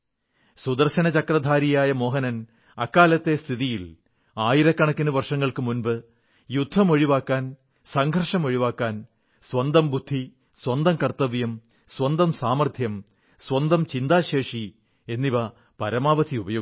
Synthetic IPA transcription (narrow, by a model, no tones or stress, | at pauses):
sud̪ɐrɕɐnɐt͡ɕɐkrɐd̪ʱaːɾijaːjɐmo̞ːɦɐnɐn | ɐkːaːlɐt̪ːe̞st̪ʰiðijil | aːjiɾɐkːɐɳɐkːinɨʋɐrʂɐŋːɐɭkɨmunbɨ | jud̪ʱːɐmoɻiʋaːkːaːn | sɐŋɡʱɐrʂɐmo̞ɻiʋaːkːaːn | swɐnd̪ɐmbud̪ʱːi | swɐnd̪ɐmkɐrt̪ɐʋjɐm | swɐnd̪ɐmsaːmɐrt̪ʰjɐm | swɐnd̪ɐmt͡ɕind̪aːɕeːʂi | e̞nːiʋɐ | pɐɾɐmaːʋɐt̪ʰiubɐjoː